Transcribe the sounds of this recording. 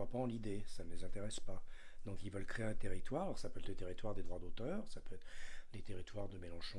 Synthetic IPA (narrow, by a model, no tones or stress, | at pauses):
apaɑ̃lid̪esanəlezɛ̃t̪eʁɛspa | d̪̥ɔ̃kilvœlkχeɛ̃t̪eʁit̪waʁalɔʁsapøɛt̪lət̪eʁit̪waʁd̪ed̪ʁwad̪ot̪œːʁsapøɛt̪χlet̪eʁit̪waʁd̪əmelɑ̃ʃɔ̃